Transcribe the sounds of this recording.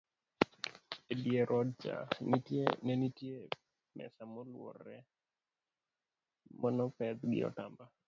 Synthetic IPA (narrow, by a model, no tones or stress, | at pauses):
edjeɾʔɔd̚t͡ʃa̰nitjenɛnitje | mɛ̰samɔlwɔ̰rːɛ | mɔnɔpɛd̪ɡɪ̰ɔ̰tamba